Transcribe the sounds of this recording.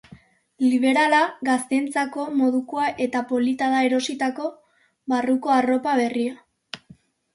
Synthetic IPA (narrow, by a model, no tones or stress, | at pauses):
liβ̞e̞ɾalaɣast̪e̞nt͡sako̞mo̞ðukoaʔe̞t̪apo̞lit̪aðae̞ɾo̞sit̪ako̞ | βaruko̞aro̞paβ̞e̞ria